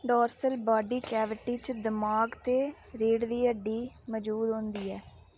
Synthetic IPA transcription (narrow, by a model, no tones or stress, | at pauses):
ɖɔːɾsəlbaːɖiːkɛːʋɪʈiːt͡ʃd̪ɪmaːɡt̪eː | ɾeːɽd̪iːəɖiː | məd͡ʒuːd̪ɦõːnd̪iːɛː